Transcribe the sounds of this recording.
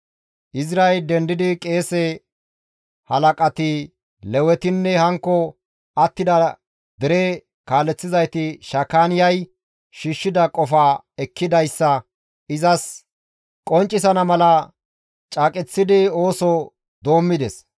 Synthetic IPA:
ʔɪzɾaɛld̪ɛnd̪ɪd̪ɪkʼe̞ːsɛ | hɐlɐkʼɐt̪ɪ | lɛwɛt̪ɪnːɛhɐŋkːɔ | ɐt̪ːɪd̪ɐ | d̪̥ɛɾɛ | kaːlɛt͡sːɪzɐjt̪ɪʃɐkːaːnɪjɐj | ʃiːʃːɪd̪ɐkʼɔfaː | ɛkːɪd̪ɐjsːɐ | ɪzɐs | kʼɔnt͡ʃʼːɪsɐnɐmɐlɐ | t͡ʃʼaːkʼɛt͡sːɪd̪ɪo̞ːsɔ | d̪o̞ːmːɪd̪ɛs

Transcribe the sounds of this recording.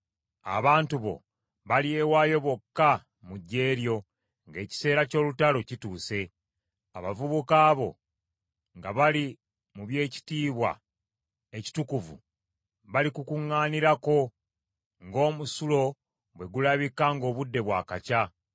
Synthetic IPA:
a̰βaːntuβo̞̰ | βaliewaːjo̞βo̞kːa | muɟːe̞ːɾjo̞ | ŋɡe̞ːci̥se̞ːɾaco̞ːlutalo̞cituːse̞ | aβavuβukaːβo̞̰ | ŋɡaβali | muβje̞ːci̥tiːβwa̰ | eci̥tukuvṵ | βalikukuŋːaːniɾako̞ | ŋɡo̞ːmusulo̞ | βwe̞ɡulaβikaŋɡo̞ːβudːe̞βwaːkaca

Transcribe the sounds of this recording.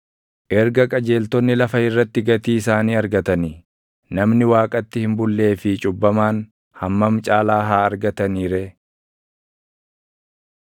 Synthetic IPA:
ʔɛɾɡɐkʼɐd͡ʒe̞ːlt̪ɔnːɪlɐfɐɪrːɐt̪ːɪɡɐt̪iːɪsaːniːɐɾɡɐt̪ɐnɪ | nɐmnɪwaːkʼɐt̪ːɪhɪmbʊlːe̞ːfɪt͡ʃʼʊbːɐmaːn | hɐmːɐmt͡ʃʼaːlaːɦaːɐɾɡɐt̪ɐniːɾɛ

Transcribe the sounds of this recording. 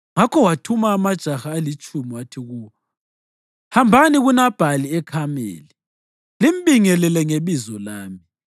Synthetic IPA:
ŋakʰɔwatʰumaːmad̥ʒ̥ʱaxaːlit͡ʃʼumiwatʰiɣu | hambʱaniɣunab̥ʱaliɛkʰamḛːli | limɓiŋɛlɛlɛŋeβizɔlaːmi

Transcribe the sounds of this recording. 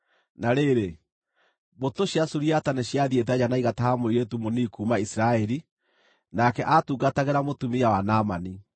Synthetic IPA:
naɾeɾe | botoɕjasuɾiataneɕjaðjet̬ɛad͡ʑanaiɣatahamoiɾetumonikuːmaisɾaɛɾi | nakɛʔatuːɡataɣeɾamotumijawanamani

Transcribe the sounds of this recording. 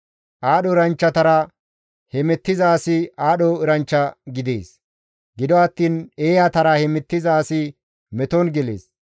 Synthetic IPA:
ʔaːɗɔɪɾɐnt͡ʃːɐt̪ɐɾɐ | hɛmɛt̪ːɪzaːsɪaːɗɔɪɾɐnt͡ʃːɐɡɪd̪ḛːs | ɡɪd̪ɔɐt̪ːiːneːjɐt̪ɐɾɐhɛmɛt̪ːɪzaːsɪ | mɛt̪ɔnɡɛlḛːs

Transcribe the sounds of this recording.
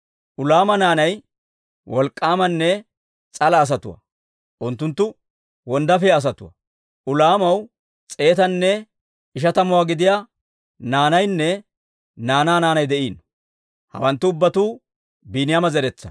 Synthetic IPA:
ʔʊlaːmɐnaːnɐj | wɔlkʼːaːmɐnːɛ | t͡sʼɐlɐːs̬ɐt̪ʊ̰wɐ̰ | ʔʊnt̪ːʊnt̪ːʊ | wɔnd̪ɐfɛɐs̬ɐt̪ʊwɐ̰ | ʊlaːmɐw | t͡sʼe̞ːt̪ɐnːɛ | ɪʃ̬ɐt̪ɐmʊwaːɡɪd̪ɪjaː | naːnɐjnːɛ | naːnaːnaːnɐjd̪ɛʔiːn | hɐ̰wɐnt̪ːʊʊbːɐt̪uː | biːnɪjamɐzɛɾɛt͡sːɐ̰

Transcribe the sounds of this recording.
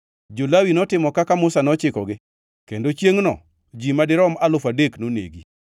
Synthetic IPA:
d͡ʒolawinɔtɪmɔkakamʊsanɔt͡ʃɪkɔɡɪ | kendot͡ʃjeŋnɔ̰ | d͡ʒimadɪɾɔmalʊfadeknonḛɡi

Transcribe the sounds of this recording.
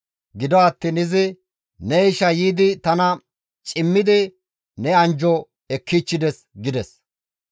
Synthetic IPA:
ɡɪd̪ɔɐt̪ːiːnɪzɪ | nɛɪʃɐjiːd̪ɪt̪ɐnɐ | t͡ʃʼɪmːɪd̪ɪ | nɛɐnd͡ʒɔ | ɛkːiːt͡ʃːɪd̪ɛs | ɡɪd̪ɛs

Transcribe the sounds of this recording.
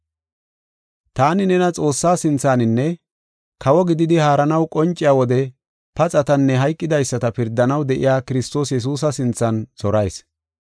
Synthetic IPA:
t̪aːnɪnɛnɐt͡sʼo̞ːsːaːsɪnt͡sːaːnɪnːɛ | kʰɐwɔɡɪd̪ɪd̪ɪhaːɾɐnɐwkʼɔnt͡ʃʼːɪjaːwɔd̪ɛ | pɐt͡sʼɐt̪ɐnːɛɦɐjkʼːɪd̪ɐjsːɐt̪ɐpɪɾd̪ːɐnɐwd̪ɛʔɪ̰jaːkɪɾɪst̪o̞ːsjɛs̬uːs̬ɐsɪnt͡sːɐnz̥ɔɾɐjs

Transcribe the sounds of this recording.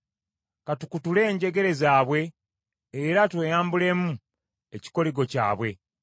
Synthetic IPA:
katukutule̞ːɲɟe̞ɡe̞ɾe̞zaːβwe̞ː | ɾatwe̞ːjaːmbule̞ːmu | e̞ci̥ko̞liɡo̞ca̰ːβwe̞

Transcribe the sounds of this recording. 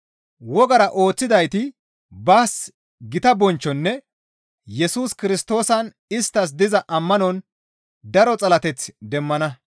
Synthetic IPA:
wɔɡɐɾɐʔo̞ːt͡sːɪd̪ɐjt̪ɪ | baːs | ɡɪt̪ɐbɔnt͡ʃːɔnːɛ | jɛsuːskɪɾɪst̪o̞ːsɐn | ɪst̪ːɐs̬d̪ɪzɐʔɐmːɐnɔn | d̪ɐɾɔt͡sʼɐlɐt̪ɛt͡sd̪ɛmːɐnɐ

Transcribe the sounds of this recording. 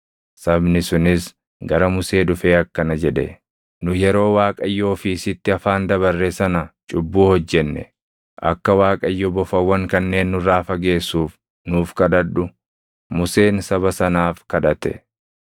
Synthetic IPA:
sɐbnɪsʊnɪs | ɡɐɾɐmʊse̞ːdʊfe̞ːɐkːɐnɐd͡ʒɛᶑɛ | nʊjɛɾo̞ːwaːkʼɐjːoːfɪsɪt̪ːɪɐfaːnd̪ɐβɐrːesɐnɐt͡ʃʼʊbːuːhɔd͡ʒːɛnːɛ̰ | ʔɐ̰kːɐwaːkʼɐjːɔbɔfɐwːɐŋkɐnːe̞ːnːʊraːfɐɡe̞ːsːuːf | nuːfkɐᶑɐᶑʊ | mʊse̞ːnsɐbɐsɐnaːfkɐᶑɐt̪ɛ̰

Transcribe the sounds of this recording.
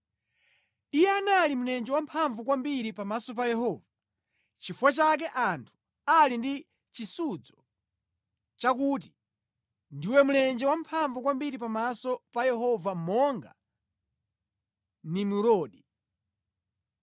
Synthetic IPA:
ijɛanalimunɛnd͡ʒɛwam̩pʰaɱvukwambiɾipamasɔp̬ajɛhɔːva | t͡ʃifuwat͡ʃak̬ɛʔantʰu̥ | alindi | t͡ʃisud͡zɔ | t͡ʃakut̬i̥ | ndiwɛmunɛnd͡ʒɛwampʰaɱvukwambiɾipamasɔpajɛɦɔvam̩mɔŋɡa̰ | nimuɾɔːɗi

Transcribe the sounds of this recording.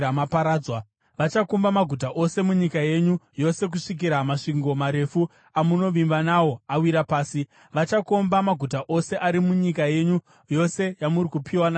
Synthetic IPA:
amapaɾaːd͡zwa | ʋat͡ʃakumbamaɡʱut̬aʔo̞se̞muɲikaje̞ɲujo̞se̞k̬uʂik̬iɾamaʂiŋɡo̞maɾe̞fu | amuno̞ʋimbanawo̞awiɾapaːsi | ʋat͡ʃakombamaɡʱutaʔo̞se̞ʔaɾimuɲikaje̞ːɲu | jo̞se̞jamuɾikupʰiwana

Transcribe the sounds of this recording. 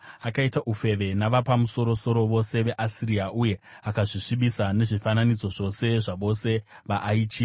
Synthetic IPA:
akaitaʔufe̞ʋe̞naʋapamuso̞ɾo̞so̞ɾo̞ʋo̞se̞ʋe̞ʔasiriaʔuje̞ | akaʐiʂiɓisane̞ʐifananid͡zo̞ʐo̞se̞ʐaʋo̞se̞ | ʋaʔːit͡ʃiː

